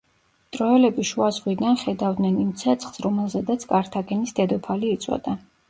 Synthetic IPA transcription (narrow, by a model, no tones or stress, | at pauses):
t̪ʼɾɔɛlɛbiʃuazʁwid̪anχɛd̪avd̪nɛnimt̪sʰɛt̪sʰχsɾɔmɛlˠzɛd̪at̪sʰkʼaɾt̪ʰaɡɛnisd̪ɛd̪ɔpʰaliːt̪sʼʰwɔ̰d̪a